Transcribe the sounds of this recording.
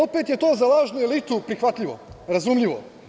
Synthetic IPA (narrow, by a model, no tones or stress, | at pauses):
opet̪je̞t̪o̞ːzalˠaːʒnuelit̪upɾixʋat̪ʎiʋo̞̰ɾazumʎiʋo̰